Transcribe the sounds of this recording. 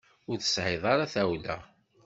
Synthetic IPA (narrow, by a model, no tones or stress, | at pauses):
ʊɾθə̥sʕeðˤɑɾaθæwlæ̰